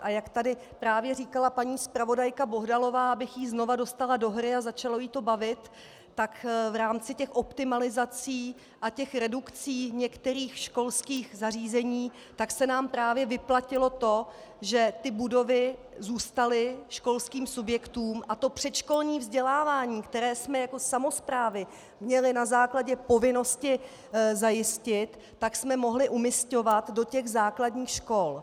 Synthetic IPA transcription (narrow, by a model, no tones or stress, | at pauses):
ʔajakt̪adɪ | pɾaːvjɛriːkalapaɲiːspɾavo̞dajkabo̞ɦdalo̞vaːʔabɪxjiːzno̞vado̞st̪alado̞ɦɾɪazat͡ʃalo̞jiːt̪o̞bavɪt̪ː | akvɾaːmt͡sɪcɛxʔo̞pt̪ɪmalɪzat͡siː | ʔacɛxɾɛdukt͡siːɲɛkt̪ɛɾiːxʃko̞lskiːxzariːzɛɲiː | t̪aksɛnaːmpɾaːvjɛvɪplacɪlo̞t̪o̞ʒɛt̪ɪbudo̞vɪ | zuːst̪alɪʃko̞lskiːmsubjɛkt̪uːmʔat̪o̞pr̥ɛt̪ʃko̞lɲiːvzɟɛlaːvaːɲiːkt̪ɛɾɛːsmɛjako̞samo̞spɾaːvɪ | mɲɛlɪnazaːklaɟɛpo̞vɪno̞scɪ | zajɪscɪt̪ːaksmɛmo̞ɦlɪʔumɪsco̞vat̪do̞cɛɣzaːkladɲiːxʃko̞l